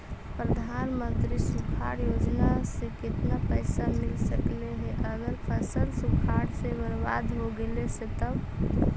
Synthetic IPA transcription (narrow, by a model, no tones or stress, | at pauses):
pɾəd̪ʱanmə̃nt̪ɾisukʰa̰ɾjoːd͡ʒnasekɪt̪napəɪsamɪlsəkleɦɛ̃ʔəɡəɾpʰəsəlsukʰaɽsebəɾʋa̰d̪ʱɦoɡeleset̪əb